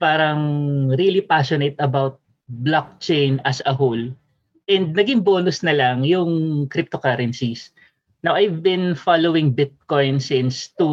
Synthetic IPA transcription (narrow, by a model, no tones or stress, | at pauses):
paːɾɐŋɾilipaʃɔnet̪ɐbawt̪̚ | blak̚t͡ʃejnɐsɐɦol | ʔɛnd̪̚nɐɡɪŋbo̞ːnʊsnɐlɐŋjʊŋkɾɪp̚t̪okaɾɐnsis | nawʔajvbɪ̃nfalowɪ̃ŋbɪt̪̚kojnsɪ̃nst̪u